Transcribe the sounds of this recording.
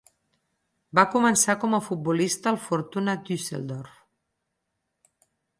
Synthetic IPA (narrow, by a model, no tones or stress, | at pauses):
bakumənsakɔməfut̪̚bulist̪əːlˠfuɾt̪unəd̪ysḛlˠd̪ɔrf